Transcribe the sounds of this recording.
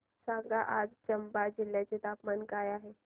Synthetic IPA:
sãŋɡaʔad͡zt͡ɕəmbad͡ʑil̤ːjat͡set̪apmankajaɦe

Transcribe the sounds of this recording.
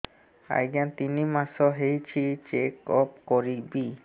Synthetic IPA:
a̰jɡant̪inimasɔɦejt͡ʃʰit͡ʃekɔp̚kɔɾibi

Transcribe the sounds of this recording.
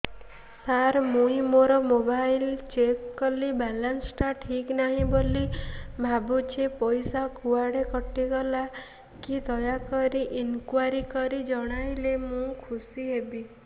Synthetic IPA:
saɾmũĩmoɾɔmobajlt͡ʃekːɔlibɛlansʈaʈʰiknaɦĩbolibʱabut͡ʃʰepɔjsakuaɽekɔʈiɡɔla | kid̪ɔjakɔɾiʔinkwaɾikɔɾid͡ʒɔɽ̃ajlemũkʰusiɦebi

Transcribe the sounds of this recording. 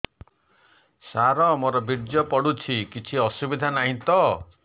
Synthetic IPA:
saɾɔmɔɾɔbiɾd͡ʒjɔpɔɽut͡ʃʰikit͡ʃʰiɔsubid̪ʱanaɦĩt̪ɔ

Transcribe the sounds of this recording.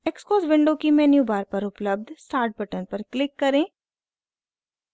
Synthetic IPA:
ekskoːzʋɪ̃ɳɖõkimɛːnjubaːɾpɐɾʊpləb̚d̪ʱsʈaːɾʈ̚bɐʈənpɐɾklɪkːɐɾẽː

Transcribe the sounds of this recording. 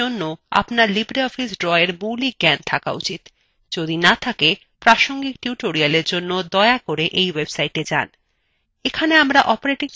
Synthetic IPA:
onːoa̰pnaɾlibɾeɔfisɖɾɔeɾmulik̚ɡɛnt̪ʰaka̰ṵt͡ɕit̪ | d͡ʑod̪inat̪ʰake | pɾaʃoŋɡik̚ʈjuʈoɾialeɾd͡ʑonːod̪ɔeakoɾeʔejwebsaiʈed͡ʑa̰n | ekʰaneamɾaʔɔpoɾeʈi

